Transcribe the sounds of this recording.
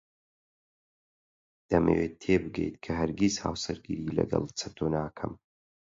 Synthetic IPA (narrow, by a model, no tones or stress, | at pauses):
d̪̥ɐmḛweːtt̪ʰːeːbɨɡḛjt̪kʰɐɦɐɾɡizha̰ːwsɐɾɡiːɾiːlɐ̰ɡɐ̰lˠt͡sʰɐt̪ʰoːnaːkʰɐm